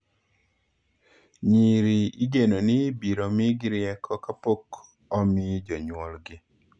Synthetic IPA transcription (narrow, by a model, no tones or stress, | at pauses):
ɲiɾiiɡenonɪbiɾomɪɡɪɾɪɛkʰɔkapok | ɔmɪd͡ʒɔɲwɔlɡɪ